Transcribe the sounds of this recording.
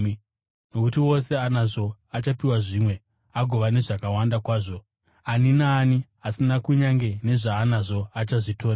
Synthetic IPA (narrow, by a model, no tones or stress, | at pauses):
no̞kutiwo̞se̞anaʐo̞at͡ʃapiwaʐimwe̞ | aɡʱo̞ʋane̞ʐakawandakwaːʐo̞ | aninaːniɦasinakuɲaŋɡe̞ne̞ʐaːnaʐo̞at͡ʃaʐitʰo̞ːra